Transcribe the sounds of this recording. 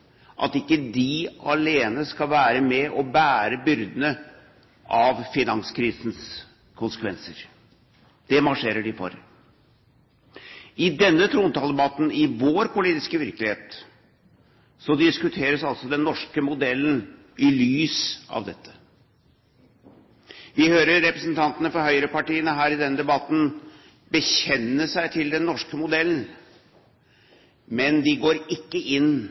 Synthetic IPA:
ʔɑ̰t̪ɪkːəd̪ɪɑleːnəskɑlʋæːɾəmɛʔɔbæːɾəbʏɾd̪ənə | ʔɑʋfɪnɑnskʰɾiːsn̩s | kʰʊnsə̥kʰʋɛnsəɾ | d̪̥ɛmɑʂeːɾəɖɪfɔ̰ɾ | ɪd̪ɛnːət̪ʰɾuːnt̪ɑːlɛbɑt̪n̩ɪʋoːɾpʊliːt̪ɪskəʋɪɾkəlɪheːt̪ | sɔd̪ɪskʉt̪ʰeːɾəsɑlsɔd̪ɛnːɔʂkəmʊd̪ɛlːn̩ | ʔɪlyːsɑ̰ʋd̪ɛt̪ʰːə̥ | ʋɪhøːɾəːɛpɾɛsnt̪ʰɑnt̪ənəfɔɾhœʏəɾəpɑʈiːənəɦæːɾɪd̪ɛnːəd̪ɛbɑt̪ːn̩ | bəçɛnːəʂæɪt̪ʰɪld̪ɛnːɔʂkəmʊd̪ɛln̩ | mɛnd̪ɪɡoːɾɪkːəʔɪnː

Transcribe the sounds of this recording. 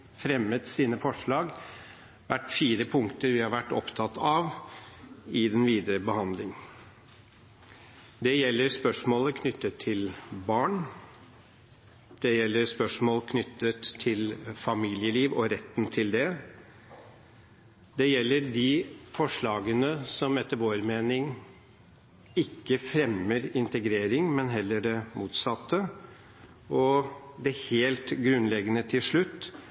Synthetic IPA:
fɾɛmːət̪siːnəfɔʂɭɑːɡ | ʋæʈːfiːɾəpʰʊŋkt̪əɾʋɪhɑɾʋæʈːɔ̰pt̪ʰɑt̪ɑʋ | ɪd̪ɛnʋiːd̪əɾəbəhɑnd̪lɪŋ | d̪ɛjɛlːəɾspœʂmoːləkʰnʏt̪ːət̪ʰːɪlbɑːɳ | d̪̥ɛjɛlːəɾspœʂmoːlkʰnʏt̪ːət̪ʰːɪlfɑmiːlɪəliːʋɔɾɛt̪ːnt̪ʰɪld̪ɛ | d̪ɛjɛlːədɪfɔʂɭɑːɡənəsɔmɛt̪ːəɾʋoːɾmeːnɪŋ | ɪkːəfɾɛməɾɪnt̪əɡɾeːɾɪŋmɛnɦɛlːəɖɛmuːt̪sɑt̪ːə | ʔɔd̪ɛheːlt̪ɡɾʉnːlɛɡənət̪ʰɪlʂɭʉt̪ː

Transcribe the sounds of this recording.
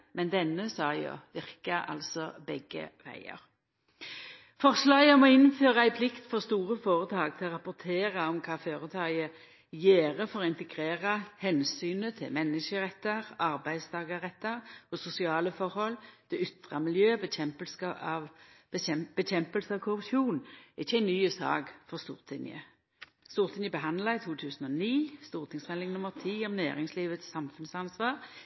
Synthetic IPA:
mɛnd̪ɛnːəsɑːjo̰ʋɪʁkɑɑ̰lsɔbɛɡə̰ʋæ̰ɪə̰ʁ | fɔʁslɑːɡəmɔːɪnføːʁɑæɪpʰlɪkt̪fɔʁst̪uːʁəfoːʁət̪ʰɑːɡt̪ʰɪlɔʁɑpʊt̪ʰeːʁɑɔmkʰɑːføːʁət̪ʰɑːɡə | jeːʁəfɔʁɔɪnt̪əɡʁeːʁɑhɛnsyːnət̪ʰɪlmɛnːəʃəʁɛt̪ːɑʁɑɾbæɪd̪st̪ʰɑːɡəʁɛt̪ːɑʁɔsʊsɪɑːləfɔɾhɔlːd̪̥ɛʏt̪ʁɑmɪljøːbəɛmpəlsɑʋ | b̥əçɛmpəlsəɑʋkʰʊɾʉpʂuːnɛʁɪçːəæɪnyːəsɑ̰ːɡfɔʁst̪uːʁt̪ʰɪnɪə̰ | st̪uːʁt̪ʰɪnjəbəɦɑnd̪lɑɪt̪ʰuːt̪ʰʉːsən̩ɔniːst̪uːʁt̪ʰɪŋsmɛnɪŋnʊmːəʁt̪ʰiːɔmnæːʁɪŋsliːʋət̪sːɑmfʉnsɑnsʋɑːʁ

